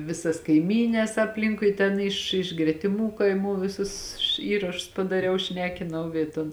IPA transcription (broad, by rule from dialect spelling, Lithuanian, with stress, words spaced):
ˈʋʲɪsɐs kɐɪˈmʲiːnʲɛs ɐpʲˈlʲɪŋkʊɪ tʲɛn ˈɪʃ ɪʃ ɡrʲɛtʲɪˈmuː kɐɪˈmuː ˈʋʲɪsʊs ˈiːrɐʃʊs pɐdɐˈrʲɛʊ ˈʃʲnʲæːkʲɪnɐʊ ˈiː ˈtoːn